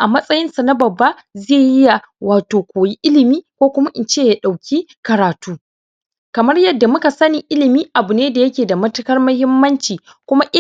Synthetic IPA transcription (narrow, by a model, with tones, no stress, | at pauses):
ʔa˨mɐ˦sʼɐ˦jɪ˦nsa˨na˦bɐ˨bːa˦ | zeː˦˨jɪ˦ja˨ | waː˨toː˨kʷoː˨ji˦ʔɪ˦lɪ˨miː˦kʷoː˦kʷʊ˦ma˦ʔɪ˨nt͡ʃeː˦˨ja˦ɗa˨wkʲʰi˦kɐ˨ɾaː˨tuː˦ | kɐ˨mɐ˦rjɐ˦˨dːa˨mʊ˦ka˨sɐ˦ni˨ʔɪ˦lɪ˨miː˦ʔa˨bʊ˨neː˦da˨jɐ˦kʲeː˨da˨mɐ˦tɐ˦kɐ˦rmɐ˦hɪ˦mːɐ˦nt͡ʃiː˨ | kʷʊ˦ma˦ʔɪ˦